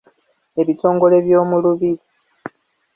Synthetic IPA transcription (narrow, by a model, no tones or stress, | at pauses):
e̞βitʰo̞ːŋɡo̞le̞βjo̞ːmuluβiɾi